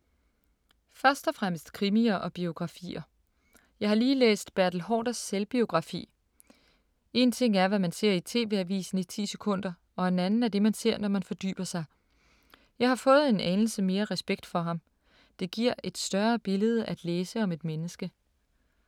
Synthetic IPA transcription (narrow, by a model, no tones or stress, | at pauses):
fɶɐsd̥ɒ̽fʁam̰əsd̥kʰʁimiɐʔɒ̽b̥io̝ɡ̥ʁɑ̈fḭːɐ | jɑ̈ɪhɑ̈liːlḛːsd̥b̥æɐ̰d̥l̩ɦɒ̰ːd̥ɐsːelb̥io̝ɡ̥ʁɑ̈fḭː | e̝nt͡sʰe̝ŋ̰æɐʋæmænse̝ɐ̰it͡sʰe̝̰ːʋeæʋḭːsn̩it͡sʰḭːsekʰɔ̽n̰d̥ɐ | ɒ̽enænn̩æɐd̥e̝mænse̝ɐ̰nɒmænfɒ̽d̥y̰ːb̥ɐsɑ̈ɪ | jɑ̈ɪhɑ̈fɔ̽ːð̞̩ˠe̝nænl̩səme̝ːɐʁɛsb̥eɡ̥̚d̥fɒ̽ɦɑ̈m | d̥e̝ɡ̥iɐ̰e̝d̥sd̥ɶɐb̥e̝ləð̞̩ˠæd̥leːsəɒ̽me̝d̥menəsɡ̥ə